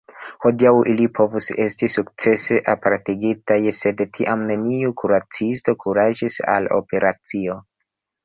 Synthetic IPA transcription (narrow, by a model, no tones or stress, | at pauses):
ho̞diawʔilipʰo̞vuse̞stisuk̚t͡se̞se̞ʔapaɾtiɡitajse̞dtʰiʔamne̞niukuɾat͡sisto̞kʰuɾad͡ʒisa̰lo̞̰pe̞ɾʔat͡sio̞